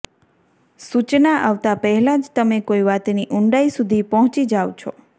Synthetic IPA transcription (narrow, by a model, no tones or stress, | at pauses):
sut͡ʃnaʔaʋt̪apəɦɛlad͡ʒt̪əmekoiʋat̪niʔʊɳɖaisud̪ʱipɔɦɔ̃t͡ʃid͡ʒaʋt͡ʃʰo